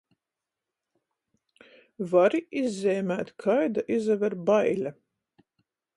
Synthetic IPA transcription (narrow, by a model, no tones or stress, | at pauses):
vaɾiizʲːɛːmʲæːt̪kʰajd̪aʔizavɛɾbajlʲa